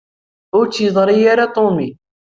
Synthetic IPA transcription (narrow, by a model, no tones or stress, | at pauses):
ʊt͡sːjəðˤɾijaɾat̪ˤomi